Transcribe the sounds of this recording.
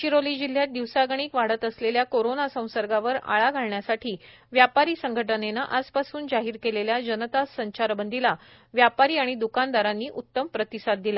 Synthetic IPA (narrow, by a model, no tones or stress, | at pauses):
t͡ɕiɾoliːd͡ʑil̤ːjat̪̚d̪iʋsaɡɽ̃iːkʋaɽət̪əsleljakoɾonasə̃w̃səɾɡaʋəɾa̰ɭaɡʱaɭɳjasaʈʰiː | ʋjapaɾiːsəŋɡʱəʈənenaʔad͡zpasuːnd͡zaɦiːɾkeleljad͡ʑənət̪asəɲt͡ɕaɾbənd̪ila | ʋjapaɾiːaɽ̃id̪ukand̪aɾanːiːʔut̪ːəmpɾət̪isad̪̚d̪ila